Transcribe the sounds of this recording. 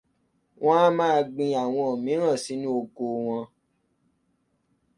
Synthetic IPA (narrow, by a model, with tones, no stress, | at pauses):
w̃ʔɔ̃˦a˦mãː˦˧ɡ͡bĩ˧a˨w̃ɔ̃˧o˨mĩ˨˦ɾ̃ã˦˨si˨˦nĩ˦o˧ko˧w̃ɔ̃˧